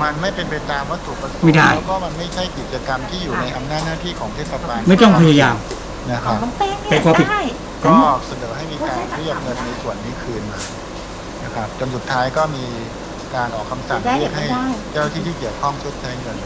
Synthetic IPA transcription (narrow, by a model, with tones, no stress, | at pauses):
ma˧nma˥˩jpe˧npa˧jt̪aː˧mwaː˥˩t̪ʰu˨˩k̚pa˧so˨a˥˩jda˥˩jkɔː˥˩ma˧nma˥˩jt͡ɕʰa˥˩jki˨˩t̪̚t͡ɕa˧ka˧mt̪ʰiː˥˩juː˨˩˧na˧jʔa˧mnaː˥˩t̪̚naː˥˩t̪ʰiː˥˩kʰɔː˩˦ŋt̪ʰe˥˩sa˧baː˧nma˥˩jt̪ɔ˥˩ŋpʰa˧ja˧jaː˧m | na˦˥˩kʰɾa˧˦˥pa˧jkʰaː˧pʰi˨˩˥ | kʰɔ˨˦˥ʔɔ˨˩k̚sa˧nɤː˩˦ɦa˥˩jmiː˧kaː˧nɾi˥˩ək̚ŋɤ˧nːa˧jsu˨˩ənːiː˦˥˩kʰɯː˧nmaː˧ | na˦˥˩kʰɾa˦˥p̚t͡ɕo˧nsu˨˩t̪ʰːaː˦˥jkɔː˥˩miː˧ | kaː˧nʔɔː˨˩kʰa˧msa˨˩ŋɾi˥˩ək̚ha˥˩jt͡ɕaː˥˩na˥t̪ʰiː˥˩t̪ʰiː˥˩ki˨˩əwkʰɔ˥˩ŋt͡ɕʰo˦˥t̪̚t͡ɕʰa˦˥jŋɯ˧n